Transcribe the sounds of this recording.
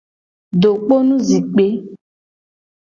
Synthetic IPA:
ɖo˨k͡po˦nũ˦zi˨k͡pe˨˦

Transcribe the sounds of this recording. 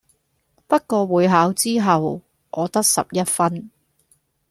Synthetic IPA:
pɐ˥t̚kɔː˧wuː˨˧jɦaː˨˥wt͡siː˥ɦɐ˨w | ʔɔː˨˧t̪ɐ˥k̚sɐ̰˨p̚jɐ˥t̚fɐ˥n

